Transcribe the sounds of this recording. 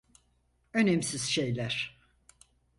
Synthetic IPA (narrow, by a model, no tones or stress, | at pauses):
ø̞nɛmsiz̥ʃejlʲæɾ̥